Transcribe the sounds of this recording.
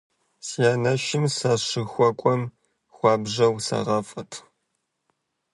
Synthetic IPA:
sijaːnɐʃɪmsaʂɨxʷɔkʷʼɔm | xʷɑːbʒɐwsɐ̰ʁɐfʼɐtʰ

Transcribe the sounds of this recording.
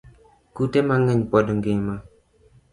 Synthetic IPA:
kutemaŋəɲpɔdɔŋɡema

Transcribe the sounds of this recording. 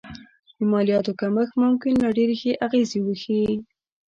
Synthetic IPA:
d̪əmɑlijɑt̪okaməxmʊmkɪnlɑɖeɾexeʔaɣezewəxi

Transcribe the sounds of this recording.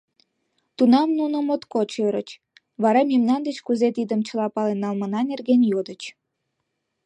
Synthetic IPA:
t̪unɑmnunə̆mot̪kot͡ɕøɾə̰t͡ɕ | βɑɾɑmimnɑnd̪et͡ɕkuzet̪id̪ə̆mt͡ɕəlɑpɑlenːɑlmənɑnerɣenjod̪ət͡ɕ

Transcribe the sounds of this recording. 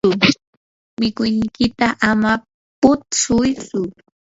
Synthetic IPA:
ʊ | mɪkʊjnkɪt̪aʔama | pʊt̪sʊjt͡sʊ

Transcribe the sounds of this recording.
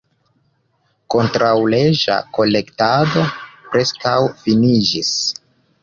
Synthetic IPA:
ko̞ntɾawle̞d͡ʒa̰ko̞le̞ktado̞pɾe̞skawfinid͡ʒis

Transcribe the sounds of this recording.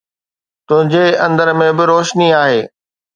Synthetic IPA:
t̪ʊ̃ɦɪ̃ɲd͡ʑeɐ̃nd̪əɾmẽbɪɾoːʃniaːɦeː

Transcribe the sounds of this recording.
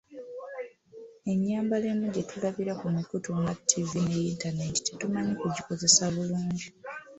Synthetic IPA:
e̞ɲːaːmbale̞nuɟe̞tʰulaβiɾakumikutumɡatʰːivine̞iːntane̞ti̥tetumaɲikuɟiko̞ze̞saβuluːɲɟi

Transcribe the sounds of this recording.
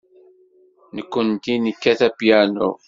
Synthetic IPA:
nəkʷːənt̪inəkːæθæpjæno̰

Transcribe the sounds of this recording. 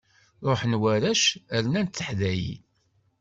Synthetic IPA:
ɾˤoħnwæɾæʃælnænt̪ːəħðæjḭ

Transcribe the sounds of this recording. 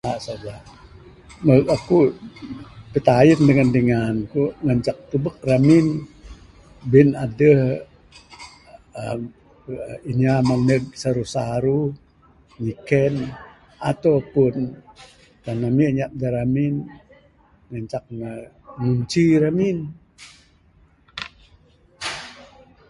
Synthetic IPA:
aʔsad͡ʒa | məɡaku | pət̪ajəndəŋandəŋankuʔŋəɲt͡ʃak̚t̪ubək̚ramin | binadəh | iɲamaŋnəɡ̚saɾuhsaɾu | ɲikɛn | at̪apun | kanamiɲaʔ̚daɾamin | ŋəɲt͡ʃak̚nə | nuɲt͡ʃiɾamin

